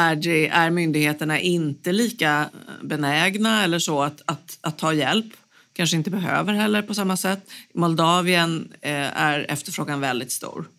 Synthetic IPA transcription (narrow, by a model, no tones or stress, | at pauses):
æɖɛæɾmʏnd̪ɪɡheːt̪əɳaʔɪnt̪əliːkabɛnɛːɡnaɛlːəʂɔat̪at̪at̪ʰːɑːjɛlp | kʰanʂəɪnt̪əbɛɦø̰ːvəɾɦɛlːəɾpʰɔsamːasɛt̪ːmɔld̪ɑːvɪənæ̰ɾɛ̰ft̪əɾfɾoːɡanvɛld̪ɪt̪st̪ṵːɾ